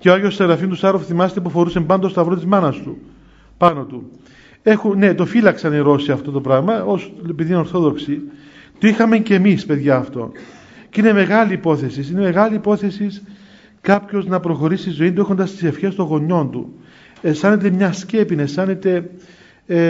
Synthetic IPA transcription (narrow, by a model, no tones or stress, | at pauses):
ceoɐɣʝosst̪ɐɣɾɐfiont̪usɐɾofθimɐse̥t̪ep̬ufo̞ɾusembɐnd̪ost̪ɐvɾo̞t̪izmɐnɐst̪ṵ | pɐno̞t̪u | e̞xune̞t̪o̞filɐksɐniɾo̞siɐft̪o̞t̪o̞pɾɐɣmɐosepiðino̞ɾθo̞ðo̞ksi | t̪oixɐmeɲce̞mispe̞ðʝɐːft̪o̞̰ | cine̞me̞ɣɐliːpo̞θe̞sisine̞me̞ɣɐliːpo̞θe̞sis | kɐpço̞znɐpɾo̞xo̞ɾisizo̞int̪ue̞xo̞nd̪ɐst̪i̥se̞fçe̞st̪o̞ŋɣo̞ɲːo̞nt̪ṵ | est̪ɐnet̪̬e̞mɲɐsce̞pinɐest̪ɐnet̪e̞